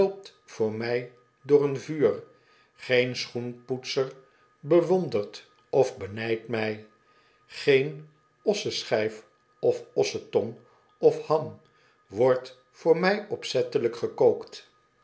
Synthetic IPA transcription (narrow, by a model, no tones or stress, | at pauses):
lˠp̚t | fʊːɹmɛj | dʊːɹənvyːr | χejnsχunputsəɹ | bəʋɔndəɹt | ʔɔvbənɛjtmɛj | χejn | ɔsəsχɛjf | ɔfɔsətɔn | ɔfhɑm | ʋɔɹt | fʊːɹmɛjɔpsɛtələkχəkowkt